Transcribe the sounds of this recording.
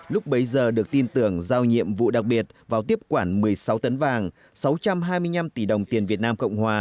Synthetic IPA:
lʊ˦˥k͡p̚ɓə˨˦jzəː˨˩ɗɨ˨˩ək̚t̪i˧nt̪ɨ˧˩əŋzaː˧wɲḭ˧˨əmvṵ˧˨ɗa˨˩k̚ɓi˨˩ət̚vaː˨˩wt̪i˦˥əp̚kwaː˧˩nmɨ˨˩əjsa˨˦wt̪ə˨˦nvaː˨˩ŋ | sa˨˦wt͡ɕa˧mɦaː˧jmɨ˧əjɲa˧mt̪i˧˩ɗə˨˩wŋ͡mt̪i˨˩ənvi˨˩ət̚naː˧mkə̰˧˨wŋ͡mhwaː˨˩

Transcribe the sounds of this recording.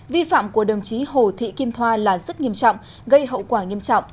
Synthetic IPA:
vi˧fa̰ː˧˨mku˧˩əɗə˨˩wŋ͡mt͡ɕi˨˦ɦo˨˩t̪ʰḭ˧˨ki˧mt̪ʰwaː˧laː˨˩zə˦˥t̚ŋi˧əmt͡ɕɔ̰˧˨wŋ͡m | ɣə˧jɦə̰˧˨wkwaː˧˩ŋi˧əmt͡ɕɔ̰˧˨wŋ͡m

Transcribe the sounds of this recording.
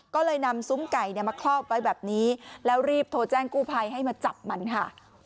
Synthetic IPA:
kɔː˥˩lɤː˧jna˧msu˦˥mka˨˩jni˥˩maː˧kʰlɔː˥˩p̚wa˧jbɛː˨˩p̚niː˦˥lɛː˦˥wɾiː˥˩p̚t̪ʰoː˧t͡ɕɛː˥˩ŋkuː˥˩pʰa˧jɦa˥˩jmaː˧t͡ɕa˨˩p̚ma˧nkʰa˥˩

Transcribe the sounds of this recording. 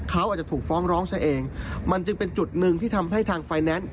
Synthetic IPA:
kʰa˦˥wʔaː˨˩t͡ɕa˩t̪ʰuː˨˩k̚fɔː˦˥ŋɾɔː˦˥ŋt͡ɕʰa˦˥ʔeː˧ŋma˧nt͡ɕɯ˧ŋpe˧nt͡ɕu˨˩t̪̚nɯ˨ŋt̪ʰiː˥˩t̪ʰa˧mɦa˥˩jt̪ʰaː˧ŋfaː˧jnɛː˦˥n

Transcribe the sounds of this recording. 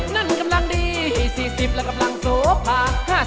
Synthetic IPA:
na˧˩nka˧mla˧ŋdiː˧iː˨˩siː˨˩si˨˩p̚lɛː˧˩ka˧mla˧ŋsoː˨˦p̚maː˧haː˧˥˩

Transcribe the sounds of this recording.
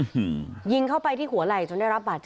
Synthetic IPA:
ji˧ŋkʰa˥˩wpa˧jt̪ʰiː˥˩hu˩˦ɐla˨˩jt͡ɕo˧ndaː˥˩jɾa˦˥p̚baː˨˩t̪̚t͡ɕ

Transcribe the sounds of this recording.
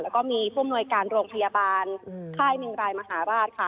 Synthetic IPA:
lɛː˦˥wkɔː˥˩miː˧pʰu˥˩əmnu˧əjkaː˧nɾoː˧ŋpʰa˧jaː˧baː˧nkʰaː˥˩jmɯ˧ŋɾaː˧jma˧ɦaː˩˦ɾaː˥˩t̪̚kʰa˦˥˩

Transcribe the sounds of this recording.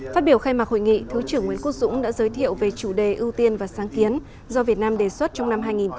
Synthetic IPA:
faː˦˥t̚ɓi˧˩əwxaː˧jmaː˨˩ho̰˧˨jŋḭ˧˨t̪ʰɨ˨˦t͡ɕɨ˧˩əŋːwi˨˦ənku˦˥ək̚zʊ̰˧˥ŋ͡mɗa̰ː˧˥zəː˨˦jt̪ʰḭ˧˨əwve˨˩t͡ɕu˧˩ɗe˨˩ʔɨ˧wt̪i˧ənvaː˨˩saː˨˦ŋki˨˦ən | zɔ˧vi˨˩ət̚naː˧mɗe˨˩swə˦˥t̚t͡ɕɔ˧wŋ͡mna˧mɦaː˧jŋi˨˩n

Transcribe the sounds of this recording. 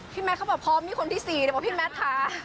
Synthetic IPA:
pʰiː˥˩mɛː˧˦˥t̚ʰa˦˥wbɛː˨˩pʰːɔː˧miː˧˥˩kʰo˧nt̪ʰiː˥˩siː˨˩ɾʰɔ˧˥pʰiː˥˩mɛː˦˥t̪ʰːaː˧

